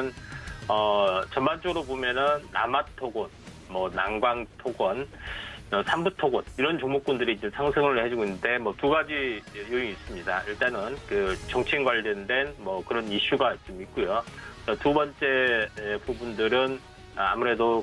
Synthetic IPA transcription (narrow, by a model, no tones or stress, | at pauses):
nʌt͡ɕʌnmant͡ɕ͈ʌɡɯɾobomjʌnɯnːa̰matʰoɡʌn | mʌnaŋɡwaŋtʰoɡʌn | ʌsʰambutʰoɡʌniɾʌnt͡ɕoŋmok͈̚undɯɾit͡ɕomsʰaŋsʰɯŋɯɭhed͡ʑuɡoinde̞mwʌtuɡad͡ʑijoiŋis͈ɯmɲidaiɭt͈anɯnkɯt͡ɕʌŋt͡ɕʰinɡwaʎːʌndwe̞nmʌkɯɾʌniɕ͈uɡat͡ɕ͈omik̚k͈ujot͡ɕ͈ʌtubʌnt͡ɕ͈e̞pubundɯɾɯn | a̰muɾe̞do